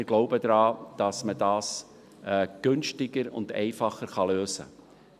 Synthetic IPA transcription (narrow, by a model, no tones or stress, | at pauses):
ɪɾɡ̥loʊbədɾɑːd̥ɑsmədɑːs | ɛːɡ̥ʏnʃtɪɡəɾʊ̰ndɛ̰ɪfɑχəɾχɑløːsə̰